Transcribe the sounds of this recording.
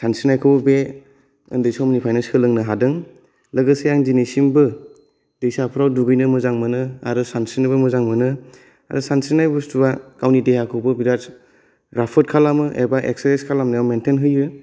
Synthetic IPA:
sansinajkʰɯbbe | ɯ̰ndɯjsawmnipʰajnaskʰɯlɯŋnɯɦadɯŋ | ləɡɯsejaŋd͡ʒinesimbɯ | dejsapʰɾawduɡɯjnɯmɯzaŋmɯnɯaɾɯsansinɯbɯmɯzaŋmɯnɯ | a̰ɾɯsansinajbɯstubakawnideɦakʰɯwbɯbiɾa | ɾapʰɯt̚kʰalamɯʔeɾbaʔek̚seɾeskʰalamnɯjawmentʰenɦɯjɯ

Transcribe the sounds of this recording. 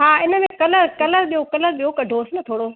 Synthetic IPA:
ɦaːɪnə̆mẽkɐləɾkɐləɾɗijokɐləɾɗijokɐɖʱoːsɪnɐt̪ʰoːɽoː

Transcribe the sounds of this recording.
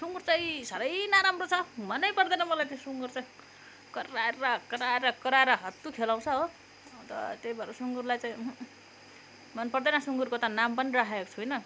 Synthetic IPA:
suŋɡurt͡saĩsʌɾʌjnaɾamrot͡sʰʌmʌnʌjpʌrd̪ʌnʌmʌlajt̪ãsuŋɡurt͡saĩ | kʌraʌkʌɾaɾʌkʌɾaɾʌɦʌt̪ːukʰelaw̃t͡sʰʌɦo | t̪ʌ̰t̪ejbʱʌɾusuŋɡuɾlajt͡saĩ | mʌnpʌrd̪ʌnʌsuŋɡurkot̪ʌnampʌnirakʰaeko̥t͡sʰuɦojnʌ

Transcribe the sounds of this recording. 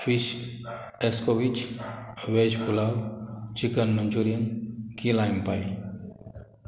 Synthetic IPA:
fʰiʃ | eskoʋit͡ʃ | ʋed͡ʒpulaɾt͡ʃikənmənd͡ʒuɾijənkilajmpaj

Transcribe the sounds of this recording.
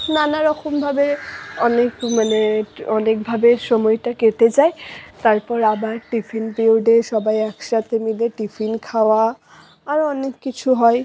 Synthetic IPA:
nanaɹɔxʰɔmbʱabeɔnekmaneɔnekbʱabeʃomɔjtaket̪ezajt̪aɹpɔɹabaʈipʰinpiwɖeʃɔbajɛkʃat̪emileʈipʰinkʰawaː | ɹɔnekːit͡ɕʰuɦɔj

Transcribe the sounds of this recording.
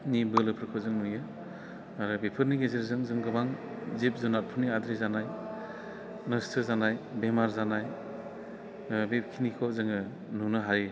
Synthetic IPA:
nibɯlɯpʰɯɾkʰɔzɯŋnujɯ | aɾɯbepʰɯɾniɡezeɾzɯŋzɯŋɡɯbaŋ | zip̚zɔnat̚pʰɯniadɾizanaj | nɯstʰɯzanajbemaɾzanaj | bep̚kʰinikʰɔzɯŋɯ | nunɯɦaɾi

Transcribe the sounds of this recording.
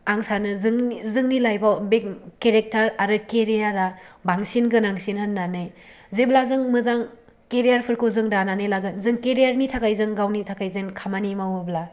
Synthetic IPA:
aŋsanɯzɯŋzɯŋnilajbabekeɾek̚taɾaɾɯkeɾijaɾabaŋsinɡɯnaŋsinhɯnːanɯj | zeblazɯŋmɯzaŋ | keɾijaɾpʰɯɾkʰozɯŋdananɯjlaɡɯnzɯŋkeɾijaɾnitʰakajzɯŋɡawnitʰakajzenkʰamanimawɯbla

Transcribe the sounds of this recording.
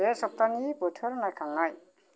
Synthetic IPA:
ɛsɔp̚t̪anibɔtʰɔɾnajkʰaŋaj

